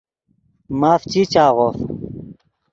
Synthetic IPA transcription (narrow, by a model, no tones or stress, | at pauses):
maːft͡ɕit͡ɕaːʁof